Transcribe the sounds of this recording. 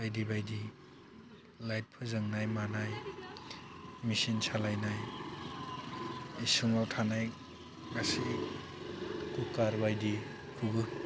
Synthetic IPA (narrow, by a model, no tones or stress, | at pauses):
ajdibajdi | lajt̚pʰɯzɯŋnajmanaj | misinsʰalajnaj | isuŋawtʰanaj | ɡasi | kukaɾbajdi | kʰubɯ